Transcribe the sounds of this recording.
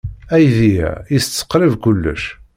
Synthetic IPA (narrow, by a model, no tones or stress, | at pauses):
æjðijæ̰ist͡sːə̥qːɾəvkʊlːə̰ʃ